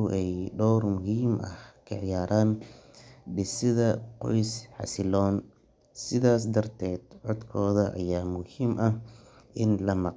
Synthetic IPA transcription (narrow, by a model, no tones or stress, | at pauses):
ʊʔɛjɖɔːrmʊɦiːmʔɐ̰hkʰɐʕɪjaːɾaːn | ɖɪsɪðɐqɔ̰jsħɑ̰sɪlɔːn | sɪðaːs̬d̪ɐrt̪ʰɛːd̪ʕɔd̪kʰɔːðɐʔɐ̰jaːmʊhiːmʔɐh | ʔɪnlɐmɑq